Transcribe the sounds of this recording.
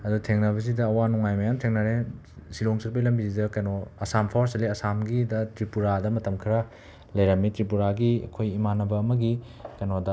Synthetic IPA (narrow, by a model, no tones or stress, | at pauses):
ɐdutʰeŋnɐbɐzidɐːwanuŋajmɐjantʰeŋnɐɾe | siloŋsɐɾ̚bɐjlɐmbizidɐkɐjnoɐsampʰawɾsɐliɐsamɡidɐtɾipuɾadɐmɐtɐmkʰiɾɐ | lɐjɾɐmːitɾipuɾaɡiɐ̰kʰojimanɐbɐːmɐɡi | kɐjnodɐ